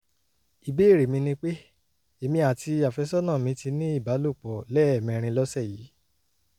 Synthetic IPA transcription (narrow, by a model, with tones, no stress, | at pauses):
i˨be˦˨ɾe˨mĩ˧nĩ˧k͡pe˦ | e˨mĩ˧a˨ti˧a˨fɛ˧sɔ˦nãː˦˨mĩ˧ti˧nĩ˦i˦˨ba˨˦lo˦˨k͡pɔ˨lɛ˦ɛ˦˨mɛ̃˧ɾ̃ĩ˧lɔ˦sɛ˦˨ji˨˦